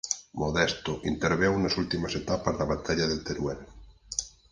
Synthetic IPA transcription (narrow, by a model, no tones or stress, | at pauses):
moðest̪oʔint̪eɾβewnasult̪imaset̪apazðaβat̪ʰaʎaðelt̪eɾwen